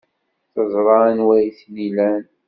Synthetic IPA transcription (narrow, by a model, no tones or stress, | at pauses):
θəzˤɾˤɑnwæθlilæn